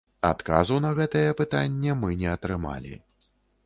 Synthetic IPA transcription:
a̰t̪kazunɐɣɛt̪ɐjɛpɨt̪anʲːɛmɨnʲɛɐt̪ɾɨma̰lʲḭ

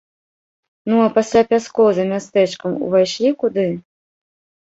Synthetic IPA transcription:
nuɐpasʲlʲapʲaskɔwzɐmʲast̪ɛt͡ʂkɐmṵvajʂlʲikud̪ɨ

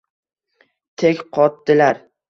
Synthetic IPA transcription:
t̪ʰekʲqʰɒt̪d̪ɪlaɾ

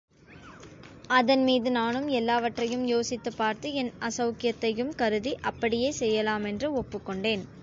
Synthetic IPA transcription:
ɐðɐnmiːðɯnaːnɯmɛlːaːʋɐʈrɐjɯmjoːsɪt̪ːɐpːaːɾt̪ɯɛnɐsɐʊkɪjɐt̪ːɐjɯmkɐɾɯðiʔɐpːɐɽɪjeːsɛjːɐlaːmɛndrɯɔpːɯkːɔɳɖeːn

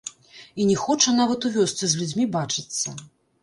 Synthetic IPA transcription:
inʲɛxɔt͡ʂɐnavɐt̪uvʲɔst̪sɨzʲlʲud͡zʲmʲibat͡ʂɨt̪sːɐ

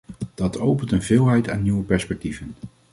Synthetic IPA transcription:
d̥ɑtʰowpəntənvɪːlˠɦɛjta̰ːnːiwəpɛɹspɛk̚tivən

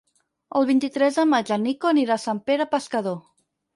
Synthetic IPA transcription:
əlˠβint̪it̪ɾɛzðəmad͡ʒənikoniɾasampeɾəpəskəðo

